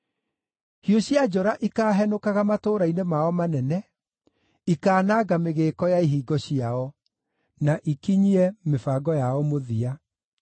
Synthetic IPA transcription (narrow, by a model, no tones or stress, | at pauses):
hioɕjad͡ʒɔɾaʔikaːɦɛnokaɣamatoːɾainemaɔmanɛnɛ | ikaːnaɡameɣeːkɔjaiɦiːɡɔɕiaɔ | naʔikiɲiɛmefaɡɔjaɔmoðia